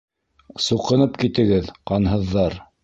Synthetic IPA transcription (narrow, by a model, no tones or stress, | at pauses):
suqɤ̆nɤpkit̪ɘ̆ɡɘðqɑnɦɤ̆ðːɑɾ